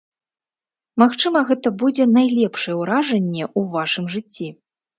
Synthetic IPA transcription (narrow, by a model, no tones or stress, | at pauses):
maxt͡ʂɨmɐɣɛt̪ɐbud͡zʲɛnajlʲɛpʂɐjɛwɾaʐɛnʲːɛʔuvaʂɨmʐɨt͡sʲːi